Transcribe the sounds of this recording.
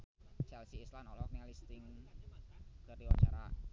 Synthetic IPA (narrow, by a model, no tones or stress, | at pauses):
t͡ʃɛlsiːslanɔlɔknialist̪ɪŋ | kərdiwa̰t͡ʃa̰ɾa̰